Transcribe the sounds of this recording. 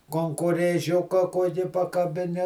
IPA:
koːŋkoːrʲeːˈʒʲʊkɐ ˈkuɔkʲɪ pɐkɐbʲɪˈnʲɪ

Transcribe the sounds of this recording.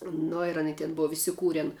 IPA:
ˈnoː ɪr ɐˈnʲiː tʲɪn ˈboːw ɪsʲɪˈkuːrʲɛn

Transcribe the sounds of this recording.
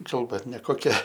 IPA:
ˈkɐlˠbɐ nʲɛkoːˈkʲɛ

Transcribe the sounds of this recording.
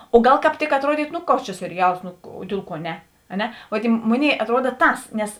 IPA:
oː ˈɡɐlˠ kɑːp ˈtʲɪk ɐtˈruɔdʲiːtʊ ˈnʊ ˈkoːks t͡ʃʲɛ sʲɛrʲɪˈjɛlˠs ˈnʊ oː ˈdʲiɛlˠ ˌkuɔ ˈnʲɛ ɐ ˈnʲɛ ˈʋoː tʲɛɪ ˈmoːˌnʲeːɪ ɐtˈruɔdɐ ˈtɐs nʲɛs

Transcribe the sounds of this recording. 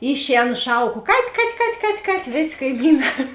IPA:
ˈɪʃʲˌɛːnʊ ˈʃɐʊˌkoː kɐtʲ kɐtʲ kɐtʲ kɐtʲ kɐtʲ ˈʋʲeːˌsʲeː kɐɪˈmʲiːˌnɑː

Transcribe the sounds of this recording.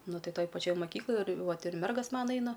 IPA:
ˈnʊ ˈtɐɪ ˈtoːj pɐˈt͡ʃʲoːj mɐˈkʲiːklˠoːj ɪr ˈʋɐt ɪr ˈmʲɛrɡɐs ˈmɑːnɐ ˈɛɪnɐ

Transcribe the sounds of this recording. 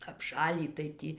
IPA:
ɐpˈʃɑːlʲiː tɐɪ ˈtʲiː

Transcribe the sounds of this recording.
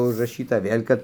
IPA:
ʊʒrɐˈʃʲiːtɐ ˈʋʲeːlʲ kɐt

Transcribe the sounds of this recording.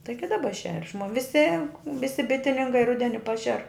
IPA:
ˈtɐɪɡʲɪ dɐˈbɐ ʃʲɛrʲ ʃmoː ʋʲɪˈsʲɪ ˈʋʲɪsʲɪ ˈbʲɪtʲɪnʲɪŋkɐɪ ˈrʊdʲɛnʲɪ ˈpɑːʃʲɛr

